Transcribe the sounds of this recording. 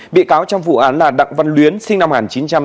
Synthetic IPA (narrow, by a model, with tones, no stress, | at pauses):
ɓḭ˧˨kaː˨˦wt͡ɕɔ˧wŋ͡mvṵ˧˩ʔaː˨˦nlaː˨˩ɗa̰˧˨ŋvə˧nlwi˨˦ənsï˧ŋna˧mŋaː˨˩nt͡ɕi˨˦nt͡ɕa˧m